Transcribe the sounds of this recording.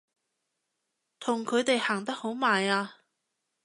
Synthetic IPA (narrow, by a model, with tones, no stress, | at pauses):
t̪ʰʊ˨˩ŋkʰɵ˨˧ɥt̪e˨jhaː˨˩ŋt̪ɐ˥k̚ho˨˥wmaː˨jaː˧